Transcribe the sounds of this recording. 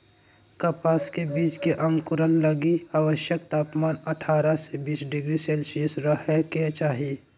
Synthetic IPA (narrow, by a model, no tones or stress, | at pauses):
kəpaːskebiːt͡ʃkeʔə̃ŋɡkʊɾənləɡiaːʋəʃjək̚t̪aːpmaːnəʈʰaːɾasebiːt͡ʃɖɪɡɾiseːlsisɾəɦeket͡ʃaːɦie